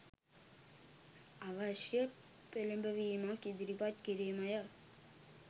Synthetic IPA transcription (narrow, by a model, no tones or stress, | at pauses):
aʋɐʃjɐ | pelimbəʋiːmakid̪iɾipat̪kiɾimɐja